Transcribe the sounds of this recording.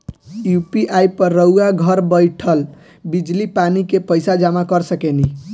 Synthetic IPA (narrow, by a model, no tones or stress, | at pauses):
jupiʔajpəɾːəwaɡʱəɾbəjʈʰəl | bid͡ʒlipanikepəjsad͡ʒamakəɾsəkɛni